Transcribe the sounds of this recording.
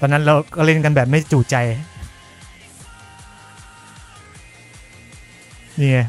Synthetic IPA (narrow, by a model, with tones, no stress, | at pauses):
t̪ɔː˧na˦˥nɾa˧wkɔː˥˩ɾe˥˩˨nka˧nbɛː˨˩p̚ma˥˩t͡ɕuː˨˩t̪̚t͡ɕa˧j | niː˧˩ŋa˧˩